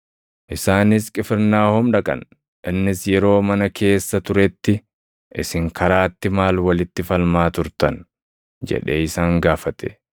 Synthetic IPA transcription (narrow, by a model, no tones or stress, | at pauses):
ʔɪsaːnɪskʼɪfɪɾnaːhʊmᶑɐkʼɐ̰n | ʔɪnːɪsjɛɾo̞ːmɐnɐkʰe̞ːsːɐt̪ʊɾɛt̪ːɪ | ʔɪsɪŋkɐɾaːt̪ːɪmaːlwɐlɪt̪ːɪfɐlmaːt̪ʊɾt̪ɐn | d͡ʒɛ̰ᶑeːɪsaːŋɡaːfɐt̪ɛ̰